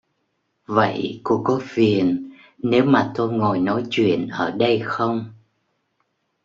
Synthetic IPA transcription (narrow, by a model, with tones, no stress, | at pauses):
və̰˧˨jku˨˧˩əkːɔ˨˦fi˨˩ənː | e˨˦wmaː˨˩t̪o˧jŋɔ˨˩jnɔ˨˦jt͡ɕwḭ˧˨ənʔəː˧˩ɗə˧jxə˧wŋ͡m